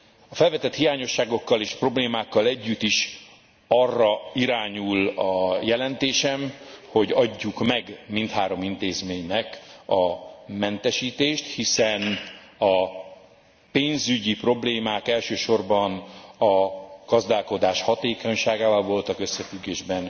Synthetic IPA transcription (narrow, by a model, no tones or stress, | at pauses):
ɒfɛlvɛt̪ɛt̪hijaːɲo̞ʃːaːɡo̞kːɒleːʃpro̞bleːmaːkːɒlɛɟːyt̪ːiʃ | ɒrːɒiɾaːɲulɒjɛlɛnt̪eːʃɛmho̞ɟɒɟːukmɛɡmint̪haːɾo̞mint̪eːzmeːɲnɛkɒmɛnt̪ɛʃiːt̪eːʃt̪hisɛn | ɒ | peːnzyɟipro̞bleːmaːkɛlʃøːʃo̞rbɒnɒɡ̥ɒzd̪aːlko̞d̪aːʃhɒt̪eːko̞ɲʃaːɡaːvɒlvo̞lt̪ɒkøsːɛfyɡːeːʒbɛn